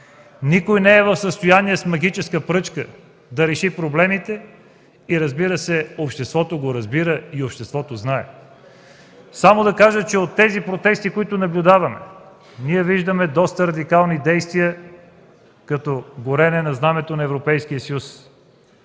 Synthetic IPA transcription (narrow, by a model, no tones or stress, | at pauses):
nikojnɛːvɐfsəst̪ojaniɛsmɐɡit͡ʃɛskəpɾɤt͡ʃkə | d̪ɐɾɛʃipɾoblɛmit̪ɛ | iɾɐzbiɾəsɛopʃt̪ɛst̪vɔt̪oɡoɾɐzbiɾəiopʃt̪ɛst̪vɔt̪oznaɛ̰ | samod̪ɐkaʒət͡ʃɛot̪ːɛzipɾot̪ɛst̪ikoit̪ʊnɐblʲʊd̪avɐmɛ̰ | niɛviʒd̪əmɛd̪ɔst̪əɾɐd̪ikalˠnid̪ɛjst̪viə | kɐt̪ɔɡoɾɛnɛnɐznamɛt̪onɐɛvɾopɛjskijəsjus